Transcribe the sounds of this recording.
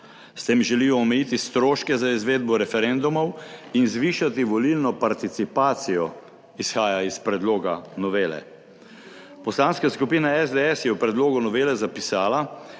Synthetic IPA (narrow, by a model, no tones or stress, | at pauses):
st̪eːmʒɛliːjɔːmɛjit̪ist̪ɾoːʃkɛzaizʋeːd̪̚bɔɾɛfɛɾend̪umɔwinzʋiːʃat̪iʋɔlilnɔpaɾt̪it̪sipaːt̪sijɔ | isxaːjaispɾɛd̪loːɡanɔʋeːlɛ̰ | pɔslaːnskaskupiːnaɛzd̪eɛsjɛwpɾɛd̪loːɡunɔʋeːlɛzapisaːla